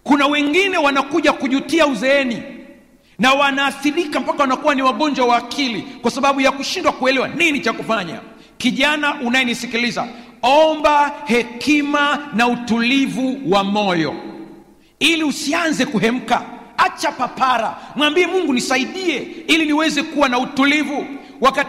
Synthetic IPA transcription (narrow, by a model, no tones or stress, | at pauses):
kunawɛŋɡinɛwanakuʄakuʄutiauzɛɛni | nawanaːθiɾikam̩pakawanakuwaniwaɠɔnd͡ʒwawaːkʰilikwasaɓaɓujakuʃindwakuɛlɛwaninit͡ʃakufaɲa̰ | kiʄanaʔunajɛnisikiliza̰ɔmbahɛkimanautulivuwamɔjɔ̰ | iliusianzɛkuɦɛm̩ka̰at͡ʃapapaɾa̰mwambiɛmuŋɡunisaiɗiɛiliniwɛzɛkuwanautulivu | waka